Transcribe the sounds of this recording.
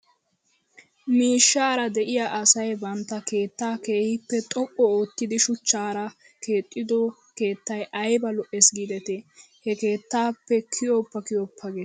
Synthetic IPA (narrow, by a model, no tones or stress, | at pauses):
miːʃːaːɾɐd̪ɛʔɪjaʔɐsɐjbɐnt̪ːɐke̞ːt̪ːaːkeːhɪpːɛt̪ʼɔʔʼːɔoːt̪ːɪd̪ɪʃʊt͡ʃːaːɾɐ | ke̞ːt̪ʼːɪd̪ɔ | keːt̪ːɐjʔɐjbɐlɔʔɛsɡid̪ɛt̪ɛ | hɛke̞ːt̪ːaːpːɛkʰɪjɔpːɐkɪjɔpʰːɐɡe